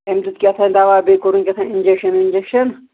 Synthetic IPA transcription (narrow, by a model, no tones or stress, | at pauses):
emt̪ut̪̚kʲɐt̪ʰɐnd̪aʋaːbekoɾunkʲɐt̪ʰɐnind͡ʒekʃɐninʲd͡ʒekʃɐn